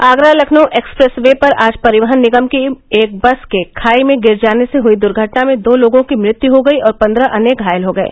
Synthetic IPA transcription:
aːɡɾalɐkʰnoʔeːkspɾɛsʋepɐɾaːd͡ʒpɐɾɪʋəɦənːɪɡəmkiːk̚bɐskekʰaːimẽɡɪɾd͡ʒaːneseɦʊid̪ʊɾɡʱəʈnamẽd̪oːloːɡõkimɾɪt̪juɦoɡɐiɔːɾpɐ̃nd̪ɾaʔɐneːɡʱaːjəlɦoɡɐḛː

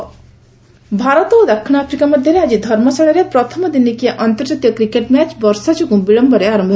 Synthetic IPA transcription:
bʱaɾət̪od̪ɐkʰɳ̃apʰɾikaməd̪ʱjeɾeaːd͡ʒid̪ʱɐɾmɔsɐɽeɾepɾʌt̪ʰəmd̪inikijeʔʌnt̪əɾd͡ʒat̪ijɔkɾikeʈmæt͡ʃbʌɾsad͡ʒuɡũbiɭʌmbʱʌɾeaɾɐmbʱ

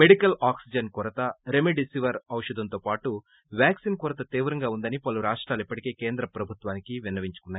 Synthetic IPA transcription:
me̞ɽikɐlaːksid͡ʒɐnkuɾɐt̪ɐɾemeɖisiʋɐɾɐwʂɐd̪ɐnt̪o̞ːpaːʈu | ʋjaːksinkuɾɐt̪ɐt̪iːʋɾɐŋɡaːund̪ɐnipɐluɾaːʂʈɾaːlipːɐʈike̞ːkeːnd̪ɾɐpɾɐbʱut̪ʋaːnikiʋinɐʋiɲt͡ʃu̥kunːaːj

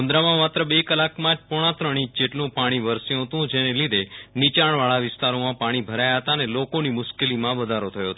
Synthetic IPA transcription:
ənd̪ɾamãmat̪ɾəbekəlakmãd͡ʒpɔɽ̃ãt̪ɾəɽ̃ĩt͡ʃd͡ʒeʈlũpaɽ̃iʋəɾsjũɦət̪ũd͡ʒenelid̪ʱenit͡ʃaɳ̃ʋaɭaʋɪst̪aɾomãpaɽ̃ibʱəɾajaɦət̪anelokonimʊʃkelimãʋəd̪ʱaɾot̪ʰəjoɦət̪oo

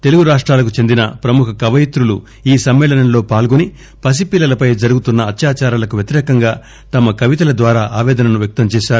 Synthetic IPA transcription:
t̪e̞luɡuɾaːʂʈɾaːlɐkut͡ʃe̞nd̪inɐpɾɐmukʰɐkɐʋɐjit̪ɾulu | iːsɐmːɛːlɐnɐnlo̞ːpaːlɡoni | pɐs̬ipiːlɐlɐpɐjd͡ʒɐɾuɡut̪unːɐːt̪jaːt͡ʃaːɾaːlɐkuʋjɐt̪iɾɛːkɐŋɡaː | t̪ɐmɐkɐʋit̪ɐlɐd̪ʋaːɾaːʔaːʋɛːd̪ɐnɐnuʋjɐk̚t̪ɐmt͡ʃɛːʃaːɾu

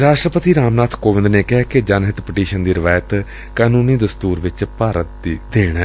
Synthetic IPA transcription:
ɾaːʃʈɾəpət̪iːɾaːmnaːt̪ʰkoːʋɪ̃nd̪neːkɪɦɛːked͡ʒaːnɦɪt̪pɪʈiːʃənd̪iːɾɪʋaːjət̪ | kaːnuːniːd̪əst̪uːɾʋɪt͡ʃpaːɾət̪̚d̪id̪eːɽɛː

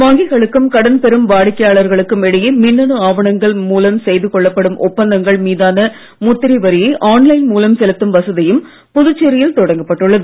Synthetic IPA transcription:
ʋaːŋɡɪɣɐɭɯkːɯmkɐɽɐnpɛɾɯmʋaːɽɪkːɐjaːɭɐɾɣɐɭɯkːɯmɛɽɐjɯmɪnːɐnɯaːʋɐɳɐŋɡɐɭmuːlɐmsɛjðɯkɔɭːɐpːɐɽɯmʔʊpːɐnd̪ɐŋɡɐɭmiːðaːnɐ | mʊt̪ːɪɾiʋɐɾɪjɐʔaːnlɐɪnmuːlɐmsɛlɐt̪ːɯmʋɐsɐðɪjɯm | pʊðɯt͡ʃːɛɾɪjɪlt̪ɔɽɐŋɡɐpːɐʈːɯɭːɐðɯ

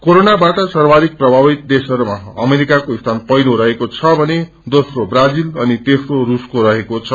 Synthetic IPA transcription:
koɾonabaʈʌsʌrbʱaɾik̚prʌbʱabit̪̚d̪esʌɾumaʌ̰meɾikakoist̪ʰanpʌjnoɾʌɦekot͡sʰʌbʱʌne | d̪osrobrad͡zilʌnit̪esroɾuskoɾʌɦekot͡sʰʌ

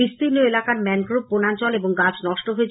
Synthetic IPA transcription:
ist̪inoelakaɾmɛnɡɾub̚ponant͡ɕɔleboŋɡat͡ɕnɔʃʈoɦoe

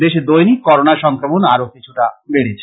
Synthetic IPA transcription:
d̪eʃed̪ojnikkɔɾonaʃɔŋkɾomonaɾokit͡ɕʰuʈabeɽet͡ɕʰ

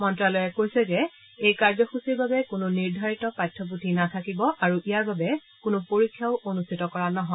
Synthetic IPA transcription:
mɔntɹalɔjɛkojsɛzɛ | ejkaɹd͡ʒɔxusiɹbabɛkʊnʊniɹdʱaɹitɔpatʰːɔp̬utʰinatʰakibɔʔaɹuʔijaɹbabɛ | kʊnʊpoɹikʰːjaʊʔonustʰitɔkɔɹanɔɦɔ

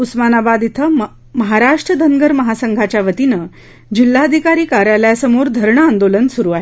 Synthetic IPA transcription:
usmanabad̪it̪ʰə | məɦaɾaʂʈɾəd̪ʱəŋɡəɾməɦasəŋɡʱat͡ɕjaʋət̪inə | d͡ʑilːaəd̪ʱikaɾiːkaɾjaljasəmoɾd̪ʱəɾɳəand̪olənsuɾuːaɦe

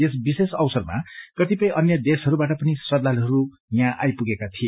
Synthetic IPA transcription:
esbisesʌwsʌrma̰kʌt̪ipʌjʔʌnjʌd̪esɦʌɾubaʈʌpʌnisrʌd̪alɦʌɾu | jãʔa̰jpuɡekat̪ʰie

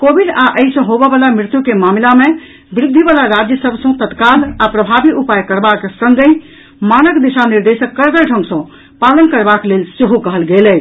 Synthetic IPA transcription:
kobiɖaʔəisə̃ɦobɛbalamɾɪt̪jukemamlame | bɾɪd̪ʱːibalaɾad͡ʒjəsəbʱsə̃t̪ət̪kalapɾəbʱabiʔupajkəɾbakesəŋɡə̃ | manəkd̪isaniɾd̪esəkːəɾɡəʈʰə̃ŋɡsə̃ | palənkəɾbaklelsiɦokəɦəlɡelɛ

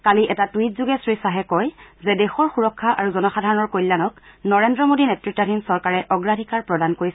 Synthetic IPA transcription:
kaliʔɛtatwit̚zuɡɛsɹisaɦɛkɔjzɛdɛxɔɹxuɹɔkʰːaʔaɹuzɔnɔxadʱaɹɔnɔɹkojlːanɔknɔɹendɹɔmodinetɹiktːɔdʱinsɔɹkaɹɛʔɔɡɹadʱikaɹpɹɔdankoɹis

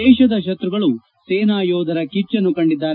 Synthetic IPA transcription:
ɛːʃɐd̪ɐʃ̬ɐt̪ɾuɡɐɭu | seːnaːjɔːd̪ʱɐɾɐkit͡ʃːɐnːukɐɳɖid̪ːaːɾ

